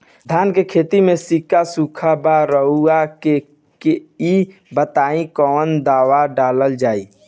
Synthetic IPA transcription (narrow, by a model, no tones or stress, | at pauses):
d̪ʱankekʰet̪imesikasukʰəbaɾəɦuake | keibət̪aĩkɔnd̪awaɖaləld͡ʒai